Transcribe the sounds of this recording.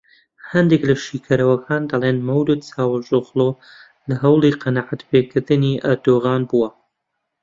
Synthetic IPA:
hɐnd̪eklɐʃiːkʰɐɾɐwɐkʰaːnd̪ɐlˠeːnmɐwd̪ɨt͡saːwɐʒoɣlˠo | lɐɦɐwlˠiqɐnaʕat̪pʰekʰɨɾd̪ɨniʔɐɾd̪oːɣaːnbuwɐ

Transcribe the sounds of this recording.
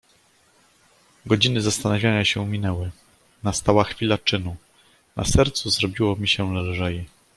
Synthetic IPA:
ɡɔd͡ʑinɘzast̪anavʲjaɲãɕɛumʲinɛwɘ | nast̪awaxfʲilat͡ʂɘnu | nʔa̰sɛɾt̪suzɾɔbʲiwɔmʲiɕɛlalʐɛji

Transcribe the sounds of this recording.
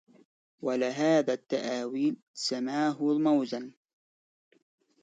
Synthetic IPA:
walɪɦaːðat̪ːaʔaːwiːl | samaːɦʊlmawzan

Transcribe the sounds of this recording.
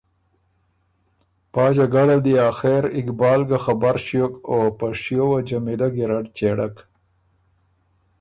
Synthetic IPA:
pɑːd͡ʒaɡaɽald̪iaːxeɾɪkbɑːlɡaxabaɾʃjokopaʃijowad͡ʒamilaɡiɾaɖt͡ʃeɽak

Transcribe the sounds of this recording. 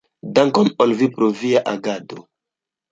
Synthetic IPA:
daŋkonolvipɾoviaʔaɡado

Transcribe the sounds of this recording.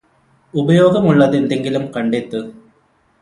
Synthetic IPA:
ubɐjoːɡɐmuɭːɐðe̞nd̪eŋɡilumkɐɳɖet̪ːɨ

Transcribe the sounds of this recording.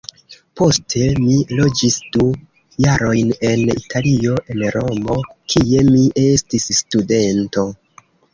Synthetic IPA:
po̞stʰe̞milo̞d͡ʒisd̥u | jaɾo̞jne̞nḭtʰalio̞ʔenɾo̞mo̞kʰie̞miʔe̞stisːtude̞nto̞

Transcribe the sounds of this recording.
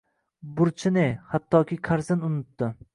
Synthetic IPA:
bʊɾt͡ʃʰɪnɪhat̪ʰːɒkʲɪkʰaɾzɪnʊnɪt̪ːɪ

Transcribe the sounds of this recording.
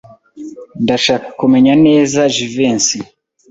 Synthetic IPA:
ndaʃakumɛɲanɛzaʒivɛnsi

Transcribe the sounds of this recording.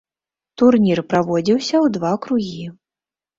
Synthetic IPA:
t̪urnʲirpɾavɔd͡zʲiwsʲɐwd̪vakɾuɣʲi

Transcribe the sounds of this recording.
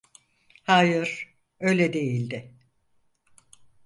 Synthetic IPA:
haːjɯɾ̥ | ø̞jlʲed̪e̞jilʲd̪ɪ

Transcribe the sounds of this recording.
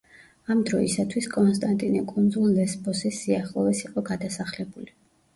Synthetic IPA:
amd̪ɾɔisat̪ʰwiskʼɔnst̪ʼant̪ʼinɛkʼund̪zulˠːɛsbʼɔsɛsiaχlˠɔvɛsiqʼɔɡad̪asaχlɛbuli

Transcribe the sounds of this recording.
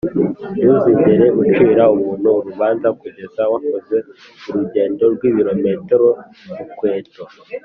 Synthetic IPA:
juzimeɾeut͡ʃiːɾauβuːnuːɾuβaːnzakɡwuhezawakoze̞ | uɾuɟe̞ːndo̞ɾɡwiːβiɾo̞metɾo | ukwe̞ːto

